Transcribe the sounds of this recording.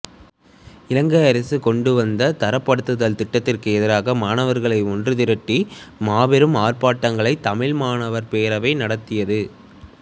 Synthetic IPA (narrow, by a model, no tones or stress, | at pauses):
ɪlɐŋɡɐɐɾɐsɯkɔɳɖɯʋɐnd̪ɐt̪ɐɾɐpːɐɽɯt̪ːɯðɐlt̪ɪʈːɐt̪ːɪrkɯɛðɪɾaːɣɐmaːnɐʋɐɾɣɐɭɐɪɔndrɯt̪ɪɾɐʈːimaːʋɛɾɯmaːrpaːʈːɐŋɡɐɭɐɪt̪ːɐmɪɭmaːnɐʋɐɾpeːɾɐʋɐɪnɐɽɐt̪ːɪjɐðɯ